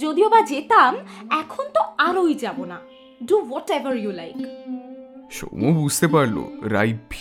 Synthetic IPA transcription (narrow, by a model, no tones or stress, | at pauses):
d͡ʑod̪iobad͡ʑet̪amɛkʰont̪oaɾojd͡ʑabona | ɖuwɔʈɛvaɾjulajk | ʃo̰mubud͡ʑʱt̪epaɾlo̰ɾa̰jbʱ